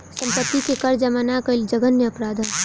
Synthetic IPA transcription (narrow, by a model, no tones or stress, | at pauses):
sɐ̃mpət̪ːikekɐɾd͡ʒɐmanakɐɪld͡ʒɐɡənːeɐpɾaːd̪ʱə